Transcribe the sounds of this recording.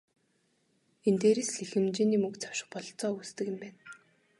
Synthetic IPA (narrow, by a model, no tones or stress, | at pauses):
ent̪eːɾesɮixɘ̆mt͡ɕiːniːmɵkt͡sḁw̥ʃɪ̥̆χ̚pɔɮt͡sɔːust̪ɘ̆kɘ̆mpæːn